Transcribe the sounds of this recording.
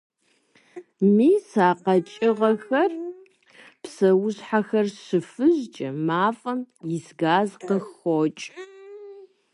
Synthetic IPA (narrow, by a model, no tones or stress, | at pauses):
miːsaːqɐt͡ʃʼɪʁɐxɐr | psɐwʊɕħaxɐrʃɨfɨʑt͡ʃʼɐmaːfʼɐmjɪsɡaːzqəxot͡ʃʼ